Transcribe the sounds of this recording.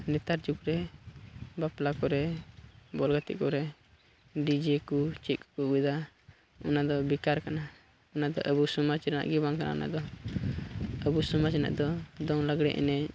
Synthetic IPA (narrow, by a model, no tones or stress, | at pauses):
nɛt̪aɾd͡ʒukɾɛ | baplakɔɾɛ | bɔlɡət̪ḭʔkɔɾɛ | ɖid͡ʒɛkut͡ʃit̪̚kkubid̪a | ɔnad̪ɔbikaɾkana | ɔnad̪ɔ̰ʔəbusɔmat͡ʃɾana̰ʔɡibaŋkanʔa̰na̰d̪ɔ | əbusɔmat͡ʃna̰ʔd̪ɔd̪ɔŋləɡɽɛ̰ʔɛ̰nɛɲ